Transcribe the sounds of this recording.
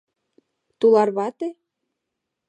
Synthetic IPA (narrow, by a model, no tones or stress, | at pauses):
t̪ulɑrβɑt̪e